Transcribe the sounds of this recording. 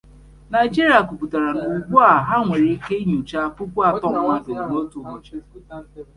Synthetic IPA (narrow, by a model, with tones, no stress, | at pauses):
na˨ɪ˨d͡ʒi˦ɾi˨a˨ku˨pu˨ta˨ɾa˨nʊ˨u˨ɡ͡bu˦a˨ɦa˦ŋʷe˨ɾi˦ke˦ɲu˨t͡ʃa˦pʊ˦kʷa˦˨tɔ˦m˦ŋa˦do˨no˦tu˨mo˨t͡ʃi˦